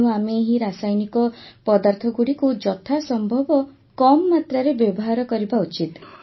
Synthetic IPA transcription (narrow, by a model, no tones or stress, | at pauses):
ũameɦiɾasajnikɔpɔd̪aɾt̪ʰɔɡuɽikud͡ʒɔt̪ʰasɔmbʱɔbɔ | kɔmɔːat̪ɾaɾebjɔbɔɦaɾɔkɔɾibaut͡ʃit̪